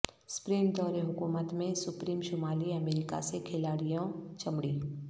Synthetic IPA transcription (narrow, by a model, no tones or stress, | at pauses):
sʊ̥pɾiːmd̪ɔːɾeɦʊkuːmət̪mẽsʊpɾiːmʃʊmaːliɐmeːɾɪka̰sekʰɪlaːɽijõt͡ʃɐmɽiː